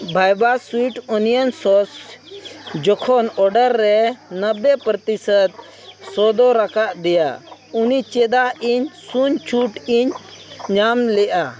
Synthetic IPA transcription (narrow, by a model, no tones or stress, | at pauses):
bʱajbaswiʈɔnijənsɔs | d͡ʒɔkʰɔnɔɾɖəɾːɛnəbːɛpɾɔt̪isət̪̚ | sɔd̪ɔɾakaʔd̪ɛja̰unit͡ʃɛd̪aiɲsuɲt͡ʃʰuʈiɲɲamlɛʔa